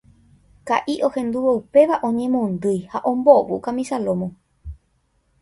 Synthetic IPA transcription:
kaʔiʔo̞hẽ̞nd̪uʋoupe̞ʋaʔõ̞ɲẽ̞mõnd̪ɨjhaʔõ̞mbo̞ʋukãmĩsalo̞mõ

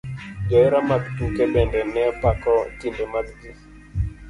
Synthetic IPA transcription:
d͡ʒɔɾamaktukɛbɛndɛnɛpakɔtindɛmaɡdi

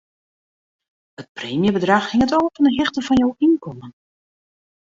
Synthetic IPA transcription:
hət̚preːmjəbədraxhɪŋətɔlˠfɔnəɦɪxtəfɔnjowʔinkɔmən

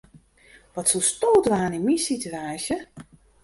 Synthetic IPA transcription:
ʋɔtsustoːdʋaːninmisityaːsjə

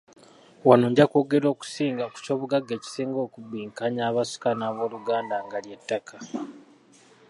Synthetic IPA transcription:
wanoɲɟako̞ːɡe̞ɾo̞ːku̥siːŋɡaku̥co̞ːβuɡaɡːe̞ːci̥siːŋɡo̞ːkubiːŋkaɲaːβasi̥kanaːβo̞ːluɡaːndaŋɡalje̞tːakʰa

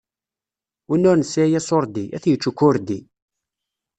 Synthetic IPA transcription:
inːʊɾnəsæjæsoɾˤd̪iʔæθjət͡ʃːukːʊɾd̪i

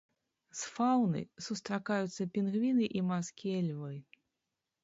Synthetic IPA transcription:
sfawnɨ̰sust̪ɾakajut̪sːɐpʲinɣvʲinɨʔimaskʲiiɛlʲvɨj

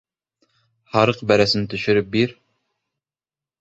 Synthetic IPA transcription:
hɑɾɤqbæɾæsɘnt̪ʰɵ̆ʃɵ̆ɾɘp̚biɾ

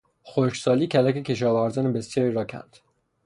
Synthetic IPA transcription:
xoʃsɒːliːcʰælækecʲʰe̞ʃɒːvæɾzɒːnebesjɒːɾiɾɒːcʰæ̰nd̪̥

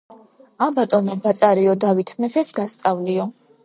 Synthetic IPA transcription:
abat̪ʼɔnɛbat̪sʼaɾiɔd̪avit̪ʰmɛfʰɛsɡast̪sʼavliɔ

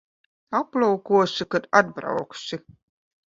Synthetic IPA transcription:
aplˠawkuɔsikad̪ad̪̚bɾa̰wksi

